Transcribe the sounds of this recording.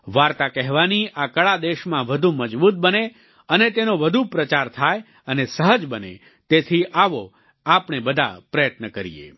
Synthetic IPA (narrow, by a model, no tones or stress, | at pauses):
ʋaɾt̪akɛɦʋaniʔakəɭad̪eʃmãʋəd̪ʱuməd͡ʒbut̪̚bəne | ənet̪enoʋəd̪ʱupɾət͡ʃaɾt̪ʰaj | ənesəɦəd͡ʒbənḛ | t̪et̪ʰiʔaʋo | apnebəd̪ʱa̰pɾəjət̪nəkəɾijḛ